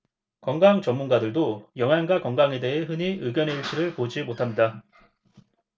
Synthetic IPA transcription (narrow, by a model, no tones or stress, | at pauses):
kʌŋɡaŋt͡ɕʌmːunɡadɯɭdojʌŋɦjanɡakʌŋɡaŋe̞de̞ɦeɦɯɲiɯɡjʌnɦe̞iɭt͡ɕ͈ʰiɾɯɭpod͡ʑimotʰamɲida